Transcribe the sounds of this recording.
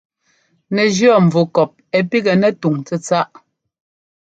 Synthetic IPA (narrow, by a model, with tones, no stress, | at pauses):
nɛ˨d͡ʒjɔ˦˨ɱ̩˨vu˨kɔ˨p̚ɛ˨pi˦ɡɛ˨nɛ˦tu˨ŋt͡sɛ˦t͡sa˦ʔ